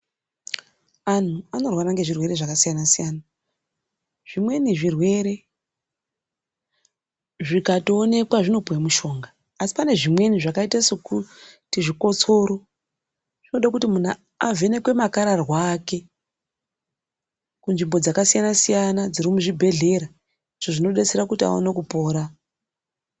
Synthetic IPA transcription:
an̤uano̞rwaɾaŋɡe̞ʐirwe̞ɾe̞ʐakasijanasijana | ʐ̥imwe̞niʐirwe̞ɾe̞ | ʐikatoːne̞kwaʐino̞puwemuʃo̞ːŋɡaː | si̥pane̞ʐimwe̞niʐakaitasokutiʐiko̞t͡so̞ɾo | ʐ̥inoɗakutimuna | ave̞ne̞kwe̞makaɾarwake̞ | kunʐimbo̞d͡zakasijanasijanad͡ziɾimuʐibʱe̞ɮe̞ɾa | iʐ̥oʐino̞ɗet͡seɾakutia̰o̰nekupo̞ːɾa

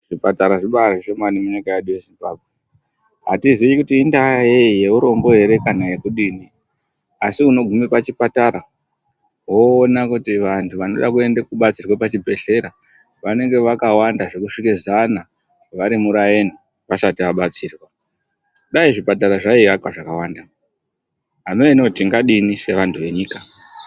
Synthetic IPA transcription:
ʐ̥ipataɾaʐiɓaʐiʃo̞manimuɲikajeɗuje̞zimbabʱwe | ɦa̰tiziikutiːndajeije̞uɾo̞mɡo̞ɦe̞ɾe̞kanaje̞kuɗini | asiuno̞ɡʱumipat͡ʃipataɾa | wo̞ːnakutiʋantʰuʋano̞ɗakue̞ndekuɓat͡sirwapat͡ʃibʱe̞ɬe̞ɾa | ʋane̞ŋɡe̞ʋakawandaʐe̞kuʂikezana | ʋaɾimuɾajeni | ʋasatiʋaɓat͡siːrwa | ɗaiʐipataɾaʐaiʋakwaʐakawanda | ɦamenotiŋɡaɗinise̞ʋantʰuʋe̞ɲiːka

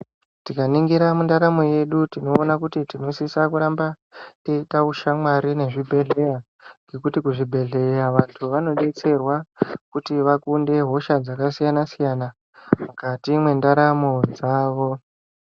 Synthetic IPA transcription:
tikaniŋɡiɾamundaɾamo̞je̞ɗutino̞ːnakutitino̞sisakuɾamba | teitauʃamwaɾine̞ʐibʱe̞ɮe̞ja | ŋɡʱe̞kutikuʐibʱe̞ɮe̞jaʋantʰuʋano̞ɗe̞t͡se̞rwakutiʋakunde̞ɦo̞ʃad͡zakasijanasijana | mukatimwe̞ndaɾamo̞d͡zaːʋo̞

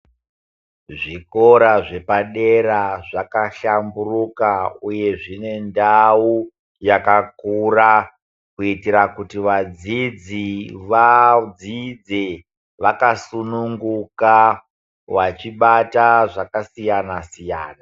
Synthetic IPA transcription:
ʐiko̞ɾaʐe̞paɗe̞ɾaʐakaɬamburukauje̞ʐine̞ndau | jakakura | kuitiɾakutiʋad͡zid͡ziʋad͡zid͡ze | ʋakasunuŋɡuka | ʋat͡ʃiɓataʐakasijanasija̰ːna

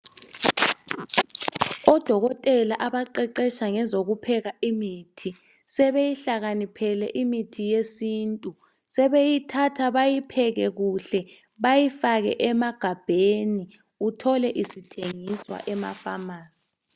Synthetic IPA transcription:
ɔd̥ʱɔɣɔtʼɛlaʔaβaǃɛǃɛʃaŋɛzoɣupʰɛɣaimitʰi | sɛβejiɬaɣanipʰɛlɛʔimitʰijesiːntʼu | sɛβejitʰatʰaβajipʰɛɣɛɣuɬɛ | βajifaɣɛ̰ʔɛmaɡ̥ʱab̥ʱeni | utʰɔlɛʔisitʰeŋiswa̰ʔɛma̰famaːsi̥

